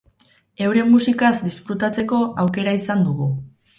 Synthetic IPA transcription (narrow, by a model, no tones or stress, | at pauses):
e̞wɾe̞mːusikazd̪isfɾut̪at͡se̞ko̞ʔawke̞ɾaisand̪uɣ̞u